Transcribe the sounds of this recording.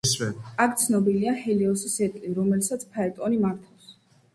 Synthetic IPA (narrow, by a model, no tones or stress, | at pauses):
svɛakʰt̪sʰnɔbiliahɛliɔsisɛt̪ʼliɾɔmɛlsat̪sʰpʰaɛt̪ʼɔnimaɾt̪ʰafs